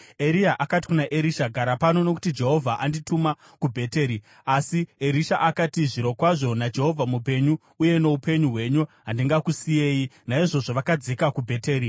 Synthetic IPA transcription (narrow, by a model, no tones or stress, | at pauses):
e̞ɾiaʔakati̥kunaʔeɾiʃaɡʱaɾapano̞no̞ku̥tid͡ʒe̞ɦo̞vʱaʔandituma | kubʱe̞te̞ːɾi | asieɾiʃaʔakatiʐiɾo̞kwaʐo̞nad͡ʒe̞ɦo̞vʱamupe̞ɲuːje̞no̞upʰe̞ɲuɦwe̞ɲuɦandiŋɡakusije̞ːjinaiʐo̞ʐoʋakad͡ze̞kakubʱe̞te̞ːɾi